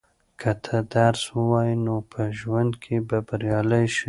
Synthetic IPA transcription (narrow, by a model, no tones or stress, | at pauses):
kʰət̪ʰəd̪aɾswəwɑjinopʰəʒwand̪kʰebabaɾjɑləjʃi